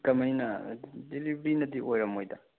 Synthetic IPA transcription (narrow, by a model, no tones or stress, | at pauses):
kɐmɐjnɐdilibɾinɐdiʔojɾɐmojdɐ